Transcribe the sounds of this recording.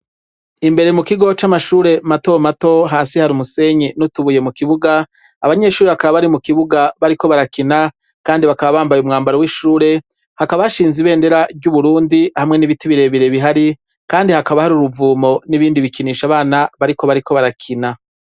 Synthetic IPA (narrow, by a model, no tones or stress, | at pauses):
imbe̞ɾemukiɡo̞t͡ʃamaʃuːɾe̞mato̞mato̞ɦaːsihaɾumuse̞ɲinutuβuje̞mukiβuɡaː | βaɲe̞ʃuːɾe̞βakaβaβaɾimukiβuɡaβaɾiko̞βaɾakina | kaːndiβakaβaβaːmbajumŋaːmbaɾowiʃuːɾe̞ | hakaβaaʃiːnziβe̞ːnde̞ɾabɟuβuɾuːndihamŋe̞niβitiβiɾe̞βiɾe̞βiɦaɾi | kaːndihakaβahaɾuɾuvuːmo̞niβiːndiβikiniːʃaβaːnaβaɾiko̞βaɾikʰo̞βaɾakʰina